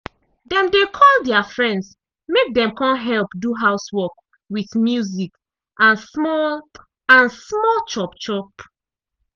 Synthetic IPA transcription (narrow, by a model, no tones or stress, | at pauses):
dɛ̃mdekʰɔldɛafɹɛ̃nds | mek̚dɛ̃mkɔ̃nɦɛlˠpduɦaʊswɔk | wiθmjuzik | ʔãnsmɔl | ãnsmɔlt͡ʃɔpt͡ʃɔp